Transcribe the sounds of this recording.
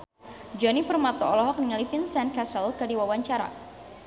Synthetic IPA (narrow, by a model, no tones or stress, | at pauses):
d͡ʒɔnipərmat̪ɔɔlɔɦɔk̚niŋalifinsɛnkasəlkadiwawaɲt͡ʃaɾa̰